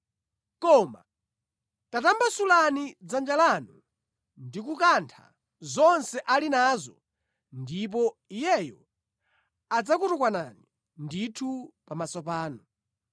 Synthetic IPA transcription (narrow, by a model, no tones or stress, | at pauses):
kɔma̰ | tatambasulanid͡zand͡ʒalanu | ndik̬ukantʰa̰ | zɔnsɛʔalinazɔ | ndip̬ɔijɛjɔ | ad͡zak̬utukwanani | nditʰupamasɔpaːnɔ